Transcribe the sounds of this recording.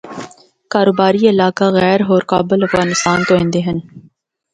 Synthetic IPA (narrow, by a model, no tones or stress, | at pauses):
kaːɾoːbaːɾiɪlaːkaɣɛːɾɦoːɾkaːbɪlɐfɣaːnɪst̪aːnt̪oɦẽːnd̪eɦɐn